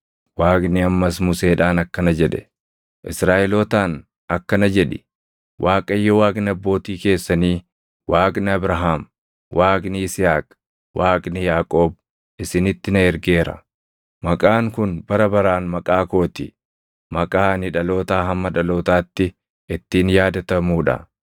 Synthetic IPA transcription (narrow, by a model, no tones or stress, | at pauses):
waːkʼnɪɐmːɐsmʊseːᶑaːnɐkːɐnɐd͡ʒɛᶑɛ̥̰ | ʔɪ̰sɾaːʔɛloːt̪aːn | ɐkːɐnɐd͡ʒɛᶑɪ | wʔaːkʼɐjːɔwaːkʼnɪɐbːo̞ːt̪iːke̞ːsːɐniː | wʔaːkʼnɪɐbɾɐɦaːm | wʔaːkʼnɪɪsɪhaːkʼ | wʔaːkʼnɪjaːkʼo̞ːb̚ | ɪsɪnɪt̪ːɪnɐɛɾɡe̞ːɾɐ̰ | mɐkʼaːŋkʊnbɐɾɐbɐɾaːnmɐkʼaːko̞ːt̪ɪ | mɐkʼaːnɪᶑɐlo̞ːt̪aːɦɐmːɐᶑɐlo̞ːt̪aːt̪ːɪ | ʔɪt̪ːiːnjaːd̪ɐt̪ɐmuːᶑɐ̰